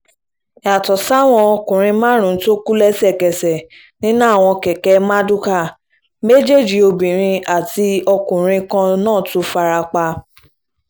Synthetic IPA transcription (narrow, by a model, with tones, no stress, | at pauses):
a˨tɔ˨sa˦˨w̃ɔ̃˧ɔ˧kũ˨ɾ̃ĩ˧mãː˦ɾ̃ũ˨˦to˦ku˦lɛ˦sɛ˦˨kɛ˨sɛ˨ | nĩ˦nã˦˨w̃ɔ̃˧kɛ˨kɛ˧˦mã˦du˦ka˦˨ | me˦d͡ʒe˦˨d͡ʒi˨o˧bĩ˨ɾ̃ĩ˧a˨ti˧ɔ˧kũ˨ɾ̃ĩ˧kã˧nãː˦˨tũ˧˦fa˧ɾa˧k͡pa˧